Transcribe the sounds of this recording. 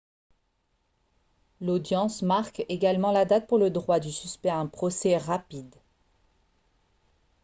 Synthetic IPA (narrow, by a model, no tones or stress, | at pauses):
lod̪jɑ̃smaʁkeɡalmɑ̃lad̪at̪̚puʁləd̪ʁwad̪ysyspɛaɛ̃pχɔsɛʁapid̪